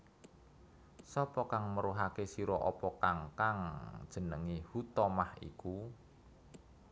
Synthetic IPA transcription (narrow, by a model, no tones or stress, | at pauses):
sɔpɔkaŋməɾuɦakesiɾɔʔɔpɔkaŋkaŋd̥ʒ̥ə̤nəŋihut̪ɔmahḭku